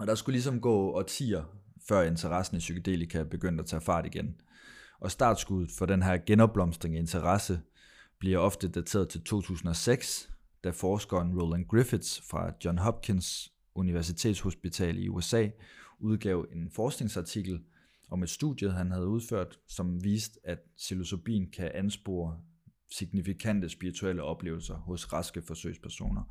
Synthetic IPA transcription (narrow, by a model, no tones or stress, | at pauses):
ɒ̽ɾ̥ɑ̈sɡ̥ulis̬ɒ̽mɡ̥ɔ̰̽ːɒ̽t͡sʰḭːɐfɶɐ̰e̝nt͡sʰɐʁɑ̈sn̩isykæd̥e̝̰ːlikʰæb̥e̝ɡ̥øn̰d̥æt͡sʰɛ̰ːfɑ̈ːd̥iɡ̥en | ʔɒ̽sd̥ɑ̰̈d̥sɡ̥uð̩ˠfɒ̽ɾ̥enɦæɐ̰ɡ̥enɒ̽b̥lɒ̽msd̥ʁeŋæe̝nt͡sʰɐʁɑ̈sə | b̥liɐɒ̽fd̥əd̥æt͡sʰe̝̰ːɐðˠt͡sʰe̝lt͡sʰo̝̰ːt͡sʰṵːsn̩ɒ̽seɡ̥s | d̥æfɒːsɡ̥ɒnʁolænɡ̥ʁifid̥sfʁɑ̈d̥jɒnɦɒ̽b̥̚kʰe̝ns | ʔuniʋæɐs̬it͡sʰe̝̰ːd̥sho̝sb̥it͡sʰɛ̰ːlḭṵesɛ̰ːuð̞ˠɡ̥ɛ̰ʊe̝nfɒːsɡ̥ne̝ŋsɑ̈t͡sʰiɡ̥l̩ | ʔɒ̽me̝d̥sd̥ṵðˠjəɦænɦæð̞ˠuð̞ˠføɐ̰d̥sɒ̽mʋiːsd̥æd̥silo̝sʰo̝b̥ḭːn̩kʰæʔænsb̥o̰ːɐ | siɡ̥̚nifikʰæn̰d̥əsb̥iʁit͡sʰuel̰əɒ̽b̥le̝ːʊl̩sɐhɔ̽sʁɑ̈sɡ̥əfɒ̽sø̰ɪspʰæɐso̝̰ːnɐ